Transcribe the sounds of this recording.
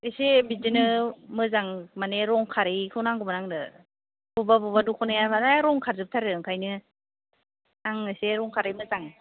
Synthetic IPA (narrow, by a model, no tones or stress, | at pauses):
ɯsebidinɯmɯzaŋmaneɾɔŋkʰaɾikʰɯwnaŋɡumanaŋdɯ | bubabubadukʰɔnɯjabadaɾɔŋkʰaɾzɯp̚tʰaɾɯɯŋkʰajnɯ | naŋɯseɾɔŋkʰaɾijmɯzaŋ